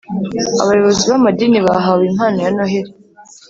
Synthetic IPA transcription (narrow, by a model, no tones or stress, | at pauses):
a̰βajoβo̞ziβamadiːniβaɦawim̥haːnojanohɦeɾe